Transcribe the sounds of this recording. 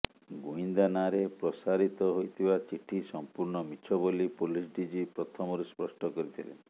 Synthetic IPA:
ɡuind̪anaɾepɾɔsaɾit̪ɔɦojt̪ʰibat͡ʃiʈʰisɔmpuɾɳɔmit͡ʃʰɔbolipulisɖid͡ʒipɾɔt̪ʰɔmɔɾuspɾɔsʈɔkɔɾit̪ʰilḛn

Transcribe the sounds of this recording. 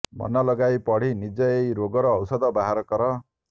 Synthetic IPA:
mɔ̰nɔlɔɡajpɔɽ̤inid͡ʒɔejɾoɡɔɾɔːwsɔd̪ɔbaɦaɾɔkɔɾɔ

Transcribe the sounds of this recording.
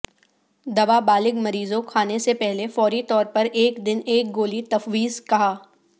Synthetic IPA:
d̪ɐbabaːlɪɡmɐɾiːzõkʰaːnesepɛɦlefɔːɾit̪ɔːɾpɐɾeːkd̪ɪneːk̚ɡoːlit̪ɐfwiːzkɐɦaː

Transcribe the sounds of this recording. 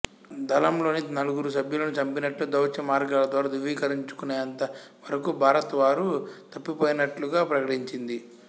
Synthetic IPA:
d̪ʱɐlɐmlo̞ːninɐluɡuɾusɐbʱjulɐnut͡ʃɐmpinɐʈlud̪ɐwt͡ʃɐmaːɾɡaːlɐd̪ʋaːɾaːd̪uʋiːkɐɾiɲt͡ʃu̥kunejɐnt̪ɐʋɐɾɐkubʱaːɾɐt̪ʋaːɾut̪ɐpːipoːjɐnɐʈluɡaːpɾɐkɐʈiɲt͡ʃind̪i

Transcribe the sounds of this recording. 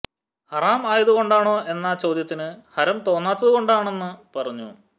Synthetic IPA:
hɐraːmaːjɐðuɣo̞ɳɖaːɳo̞ːʔe̞nːɐt͡ɕo̞ːd̪jɐt̪ːinɨhɐɾɐmt̪o̞ːnːaːt̪ːɐðuɣo̞ɳɖaːɳe̞nːɨpɐrɐɲːṵ

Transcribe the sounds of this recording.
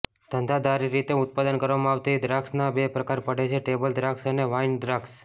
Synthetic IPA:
d̪̥ʱənd̪ʱad̪aɾiɾit̪eʊt̪̚pad̪ənkəɾʋamãaʋt̪id̪ɾaksnabepɾəkaɾpəɽet͡ʃʰeʈebəld̪ɾaksəneʋainɖɾaks

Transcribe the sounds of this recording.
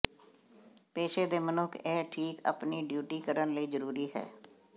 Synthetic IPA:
peːʃeːd̪eːmənʊkʰeːʈʰiːkə̰pniːɖjuːʈiːkəɾənləiːzəɾuːɾiːɦɛ̰ː

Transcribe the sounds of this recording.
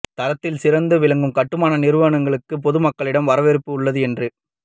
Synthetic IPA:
t̪ɐɾɐt̪ːɪlsɪɾɐnd̪ɯʋɪlɐŋɡɯmkɐʈːɯmaːnɐnɪɾɯʋɐɳɐŋɡɐɭɯkːɯp̬ɔðɯmɐkːɐɭɪɽɐmʋɐɾɐʋɛɾɯpːɯʊɭːɐðɯɛndrɯ

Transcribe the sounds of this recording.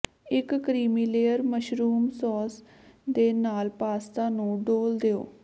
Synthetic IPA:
ɪkːɾiːmiːleːəɾməʃɾuːmsɔːs | d̪eːnaːlpaːst̪ãːnũːɖoːld̪eo̰ː

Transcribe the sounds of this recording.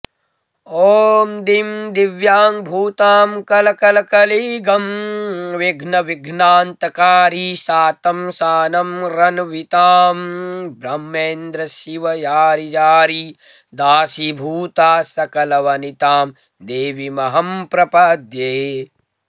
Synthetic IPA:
oːmd̪imd̪iʋjaːmbʱuːt̪aːmkɐlɐkɐlɐkɐliːɡɐmʋiɡʱnɐʋiɡʱnaːnt̪ɐkaːɾisaːt̪ɐmsaːnɐmɾɐnʋit̪aːmbʱɾɐmːeːnd̪ɾɐsiʋɐjaːɾid͡ʒaːɾi | d̪aːsibʱuːt̪aːsɐkɐlɐʋɐnit̪aːm | d̪eːʋimɐɦɐmpɾɐpɐd̪ʱjeː

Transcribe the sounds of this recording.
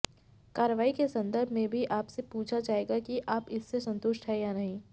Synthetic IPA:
kaːɾəʋaːikesɐ̃nd̪əɾbʱmẽbʱiʔaːpsepuːt͡ʃʰad͡ʒaːeːɡakiʔaːpɪsːesɐ̃nt̪ʊʃʈɦɛjanɐɦĩː

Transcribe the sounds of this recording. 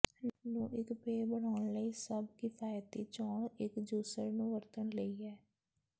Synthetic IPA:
nũːʔɪkpeːbəɽaːʊɳləiːsəbkɪpʰaːjət̪iːt͡ʃɔːɳɪkd͡ʒuːsəɾnũːʋəɾt̪ənləiːɛː

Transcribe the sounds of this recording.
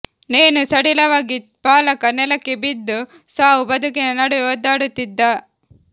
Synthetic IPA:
neːnusɐɽilɐʋaːɡi | paːlɐkɐnɛlɐkːebid̪ːu | saːɦubɐd̪ʱukinɐnɐɽuoːd̪ːaːɽut̪ːid̪ːɐ

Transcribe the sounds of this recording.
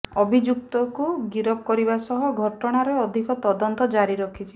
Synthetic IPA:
ɔbʱid͡ʒuk̚t̪ɔkuɡiɾɔp̚kɔɾibasɔɦɔɡʱɔʈɔɽ̃aɾeɔd̪ʱikɔt̪ɔd̪ɔnt̪ɔd͡ʒaɾiɾɔkʰit͡ʃʰi̥

